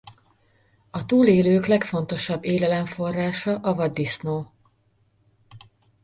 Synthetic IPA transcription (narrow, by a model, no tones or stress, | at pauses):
ɒt̪uːleːløːklɛkfo̞n̪t̪o̞ʃɒbːeːlɛlɛɱfo̞rːaːʃɒʔɒvɒd̪ːisnoː